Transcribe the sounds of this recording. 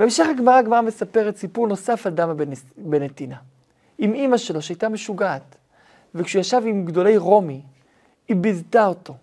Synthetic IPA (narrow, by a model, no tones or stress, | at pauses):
beːmʃe̞χaɡmaʁaɡmaʁamesapeʁetsipuʁno̞safad̪amabbenet̪ina | imimaʃe̞lo̞ʃeajtame̞ʃuɡaːt | vekʃujaʃavimɡd̪o̞le̞jʁo̞mi | ibizt̪ao̞to̞